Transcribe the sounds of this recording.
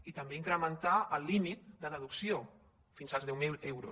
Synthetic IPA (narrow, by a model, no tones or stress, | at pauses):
it̪əmbeiŋkɾəmənt̪aʔəlːimit̪̚d̪ələðuksio | finzəlˠzðɛwɛwɾu